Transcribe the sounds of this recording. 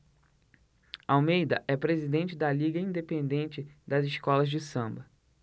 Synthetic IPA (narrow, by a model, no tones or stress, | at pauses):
awmejd̪ɐ̰ʔɛpɾezid̪ẽnt͡ʃɪd̪ɐliɡɐĩnd̪epẽnd̪ẽnt͡ʃɪd̪ɐzɪʃkɔlɐzd͡ʒɪsɐ̃mbɐ